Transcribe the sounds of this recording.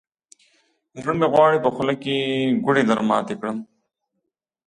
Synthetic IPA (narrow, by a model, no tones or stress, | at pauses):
ɾɐmeɣwaːɽipɐxʊlɐkiɡʊɽid̪ɐɾma̰ːt̪ekɽəm